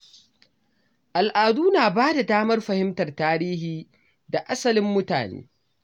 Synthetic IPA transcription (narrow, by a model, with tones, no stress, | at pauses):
ʔa˨lʔaː˨duː˦naː˨baː˦da˨daː˦mɐ˦rɸɐ˨hɪ˦mtɐ˨rtaː˦ɾiː˦hiː˨ | da˨ʔa˦sɐ˨lɪ˦mːʊ˦ta̰ː˨nḛː˦